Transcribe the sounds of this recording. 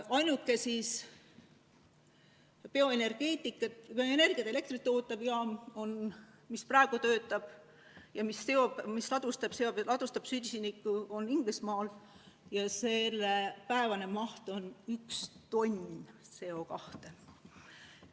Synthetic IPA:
ɑjnukːˑe̞sis | pe̞o̞e̞ne̞rɡ̥e̞ːt̪ʲˑikːˑɑt̪peene̞rɡ̥iɑt̪ele̞k̚t̪rit̪ːˑoːt̪ːˑɑb̥jɑmo̞n | misprɑeɡ̥ut̪ø̞ːt̪ːˑɑb̥ | jɑmisːeo̞bmislɑd̪̥ust̪ɑb̥se̞oblɑd̪̥ust̪ɑb̥syd̪ʲsinikːˑuo̞niŋɡ̥lismɑːl | jɑse̞lːepæevɑne̞mɑht̪o̞nykst̪o̞nʲ | se̞o̞kɑht̪e̞

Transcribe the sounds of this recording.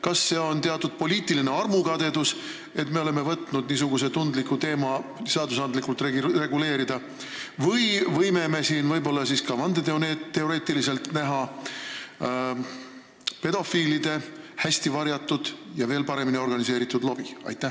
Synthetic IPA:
kɑsːe̞ːo̞nt̪e̞ɑt̪ːˑud̪̥̚po̞liːt̪ˑiline̞ɑrmukɑd̪e̞d̪us | e̞t̪ːme̞o̞le̞me̞vɤt̪ˑnud̪̥niːs̬uɡuse̞t̪und̪likːut̪e̞ːmɑseɑd̪usɑnd̪likːˑult̪rere̞ɡule̞ːɾid̪̥ɑ | vɤjvɤjme̞me̞siːnvɤjbo̞lːɑsiskɑmɑnd̪e̞t̪eonet̪ːe̞o̞ɾe̞ːt̪ilise̞lt̪næɦɑ | pe̞d̪o̞fiːlid̪̥e̞hæsʲt̪ivɑɾjɑt̪ːˑud̪̥jɑve̞ːlpɑɾe̞minio̞rɡɑnise̞ːɾit̪ːˑud̪̥lo̞b̥iɑ̰jt̪ːˑæh

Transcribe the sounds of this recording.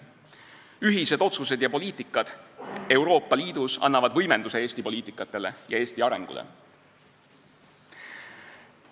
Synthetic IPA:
yɦise̞d̪̥o̞t̪sus̬e̞d̪̥jɑpo̞liːt̪ːˑikːˑɑd̪̥e̞uwɾo̞ːpˑːɑliːd̪̥usɑ̰nːɑvɑd̪vɤjme̞nd̪use̞eːsʲt̪ipo̞lʲiːt̪ːˑikːˑɑt̪ːˑe̞le̞jɑe̞ːsʲt̪iɑɾe̞̰ŋɡ̥ṵlʔḛ

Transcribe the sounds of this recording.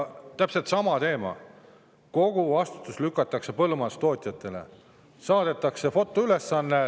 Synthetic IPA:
t̪æpse̞lt̪sɑmɑt̪e̞ːmɑ̰ | ko̞ɡ̥uɑst̪u̥t̪ːˑuslykːˑɑt̪ːˑɑkse̞pɤlumɑst̪o̞ːt̪ʲjɑt̪ːˑe̞le̞̰ | sɑːd̪̥e̞t̪ːˑɑkse̞fo̞t̪ːˑoyle̞sːɑnːe

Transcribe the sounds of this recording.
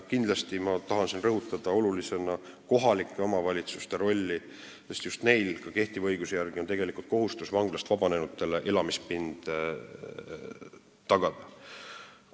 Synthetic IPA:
kind̪lɑst̪imɑt̪ɑɦɑnsinrɤɦut̪ːˑɑd̪̥ɑo̞lulise̞nɑ | ko̞ɦɑlikːˑe̞o̞mɑvɑlʲit̪su̥st̪e̞ɾo̞lʲːi | sest̪just̪ne̞jlkɑke̞ht̪ivɤ̞jɡusejærɡ̥iont̪e̞ɡ̥elikult̪̚koɦust̪usvɑŋɡ̥lɑst̪vɑb̥ɑne̞nut̪ːe̞leʔe̞lɑmispind̪̥ | t̪ːɑɡ̥ɑd̪̥ɑ

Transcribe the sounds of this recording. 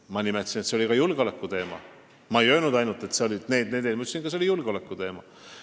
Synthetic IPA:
mɑnimet̪lsinet̪se̞o̞likɑjulɡ̥eo̞lekːˑut̪e̞ːmɑ̰ | mɑe̞jø̞ːlnud̪ɑjnult̪e̞t̪seolʲid̪̥ne̞ːd̪̚ned̪elmu̥sinkɑselʲijulɡ̥eolekːˑut̪e̞ːmɑ

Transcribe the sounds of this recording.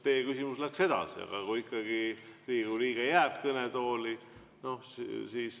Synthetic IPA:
t̪eːkysimuslækse̞d̪̥ɑ̰sḭɑ̰ɡ̥ɑ̰kuikːɑɡ̥iriːɡ̥uliːɡ̥ɑjæːb̥̚kɤnet̪o̞ːli | no̞hssiːs

